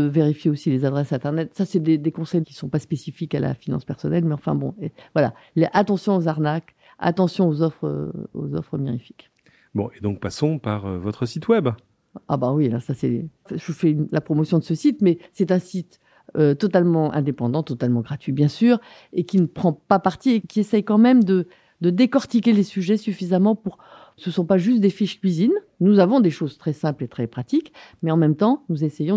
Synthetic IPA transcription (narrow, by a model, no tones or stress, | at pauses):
veʁifjeosilezad̪ʁɛsɛ̃t̪ɛʁnɛt̪sasɛd̪ed̪ekɔ̃sɛjkʲi̥sɔ̃paspesifikala̰finɑ̰̃spɛʁsɔnɛlmɛɑ̃fɛ̰̃bɔ̰̃evwala̰ | lʔat̪ɑ̃sjɔ̃ozaʁnak | a̰t̪ɑ̃sjɔ̃ozɔfχə̰o̰zɔ̰fχəmiʁifi̥k | bɔ̰̃ed̪ɔ̃k̚pasɔ̃paʁøvɔt̪χəsit̪wɛb | a̰bawiã̰sasɛ̰ | ʒəfɛynlapχɔmɔsjɔ̃d̪əsəsit̪mɛsɛt̪ɛ̃sit̪ | øt̪ɔt̪almɑ̃ʔɛ̰̃d̪epɑ̃d̪ɑ̃t̪ɔt̪almɑ̃ɡʁat̪ɥibjɛ̃syːʁ | ekʲinəpχɑ̃papaʁt̪iekʲiesɛjkɑ̃mɛmd̪ə | d̪əd̪ekɔʁt̪ik̬ʲelesyʒɛsyfizamɑ̃puʁ | səsɔ̃paʒys̬t̪̚d̪efiʃkʲɥizin | nuzavɔ̃d̪eʃozt̪χɛsɛ̃plet̪χɛpχat̪ikmɛɑ̃mɛmt̪ɑ̃nuzesɛjɔ̃